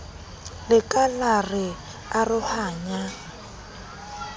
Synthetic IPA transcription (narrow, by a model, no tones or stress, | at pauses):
lɪkʼalarɪ | arʊhaːɲa